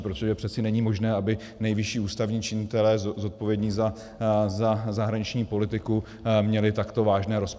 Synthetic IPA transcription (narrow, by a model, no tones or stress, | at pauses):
pɾot̪oʒɛpr̥ɛt̪sɪnɛɲiːmo̞ʒnɛːabɪ | nɛjvɪʃiːuːst̪avɲiːt͡ʃɪɲɪt̪ɛlɛːzo̞t̪̚po̞vjɛdɲiːza | zazaɦɾaɲɪt͡ʃɲiːpo̞lɪt̪ɪku | mɲɛlɪt̪akt̪ovaːʒnɛːɾo̞sp